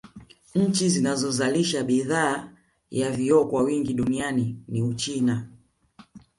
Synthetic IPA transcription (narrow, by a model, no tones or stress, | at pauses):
ɲ̩t͡ʃizinazɔzaliʃaɓiðaː | javiɔkwawiŋɡiɗunianiniut͡ʃina